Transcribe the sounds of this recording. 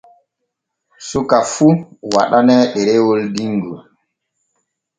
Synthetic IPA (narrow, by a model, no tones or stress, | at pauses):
sukafuwa̰ɗanɛɗɛɾɛwoldiŋɡṵ